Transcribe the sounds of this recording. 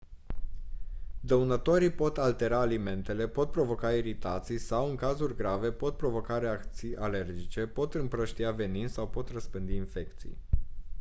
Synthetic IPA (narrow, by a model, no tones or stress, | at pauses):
d̪əunət̪o̞ɾipo̞t̪alt̪e̞ɾaːlime̞nt̪e̞le̞po̞t̪̚pɾovo̞kaiɾit̪at̪sijsawɨŋkazurʲɡɾave̞po̞t̪̚pɾo̞vo̞kaɾe̞akt̪sijʔale̞rd͡ʒit͡ʃe̞po̞t̪ɨmpɾəʃt̪iave̞ninsawpo̞t̪rəspɨnd̪iːnfe̞kt̪sḭj